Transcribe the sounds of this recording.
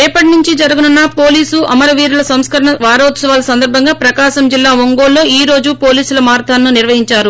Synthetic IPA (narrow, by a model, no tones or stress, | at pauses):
ɛːpːɐʈinuɲt͡ʃid͡ʒɐɾuɡununːɐpo̞ːliːsʔɐmɐɾɐʋiːɾulɐsɐmskɐɾɐɳɐʋaːɾɐːt̪sɐʋaːlɐsɐnd̪ɐɾbʱɐŋɡaːpɾɐkaːʃɐmd͡ʒilːaːʋoŋɡoːlːo̞ːiːɾo̞ːd͡ʒupo̞ːliːsulɐmaːɾt̪ʰaːnːuniɾʋɐɦiɲt͡ʃaːɾu